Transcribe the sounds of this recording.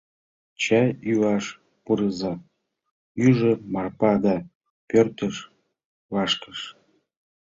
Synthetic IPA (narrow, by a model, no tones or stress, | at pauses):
t͡ɕæyɑʃ | puɾɤzɑ | yʒĕmɑrpɑd̪ɑ | pørt̪əʃ | vɑʃkəʃ